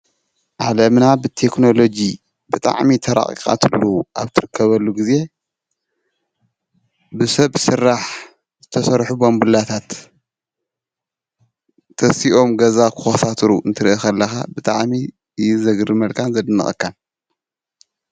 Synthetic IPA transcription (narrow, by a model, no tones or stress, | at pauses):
ʔalɐmnabɨt̪ʰekno̞lo̞d͡ʒi | bɨt̪ʼa̰ʕmit̪ʰɐɾa̰χʼḭkʼa̰t̪ʰɨlːuʔaβt̪ʰɨɾɨkʰːɐβɐlːuɡize̞ | bɨsɐβsɨrːaħ | zɨt̪ʰɐsɐɾħubombɨlat̪ʰat̪ | ɐsiʔo̞mɡɐzakʰɨxɐsat̪ʰɾuɨnt̪ʰɨɾiʔexɐlːɐxabɨt̪ʼaʕmi | ɨjuzɐɡɾimɐlkʰanzɐd̪ɨnːɐ̰xʼɨ̰kʰːan